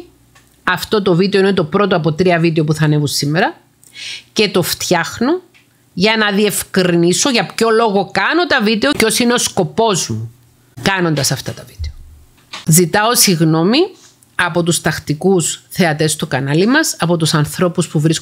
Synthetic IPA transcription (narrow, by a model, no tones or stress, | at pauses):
ɐft̪o̞t̪o̞vit̪einet̪o̞pɾo̞t̪oɐpo̞t̪ɾiɐvid̪eopuθɐnevusimːeɾɐ | ce̞t̪o̞ft̪çɐxno̞ | ʝɐnɐðie̞fkɾiniso̞ʝɐpço̞lo̞ɣo̞kɐno̞t̪ɐvit̪e̞o̞co̞sine̞o̞sko̞po̞zmu | kɐno̞nd̪ɐsɐft̪ɐt̪ɐvi̥t̪eo | zit̪ɐo̞siɣno̞mi | ɐpo̞t̪ust̪ɐxt̪ikusθe̞ɐt̪e̞st̪okɐnɐlimɐsɐpo̞t̪usɐnθɾo̞puspuvɾis